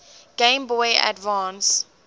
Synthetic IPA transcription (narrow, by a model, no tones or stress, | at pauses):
ɡ̥ẽmbɔja̰dvɑ̃ːns